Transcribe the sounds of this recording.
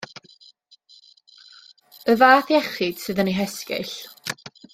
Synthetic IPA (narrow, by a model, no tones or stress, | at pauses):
əvaːθjɛχɪd̥sɨðəniɦɛskɪ̰ɬ